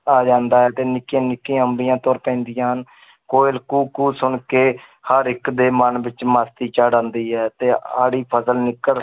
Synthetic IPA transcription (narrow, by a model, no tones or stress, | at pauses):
aːd͡ʒãːnd̪aːɦɛːt̪eːnɪkːẽːnɪkːẽːəmbijãːt̪ɔːɾpɛ̃ːnd̪ɪjãːɦən | koːɪlkuːkuːsʊɳkeː | həɾɪkd̪eːmənbɪt͡ʃmaːst̪iːt͡ʃaːɽãːnd̪iːɦɛːt̪eːa̰ːɽiːpʰəsəlnɪkːəɽ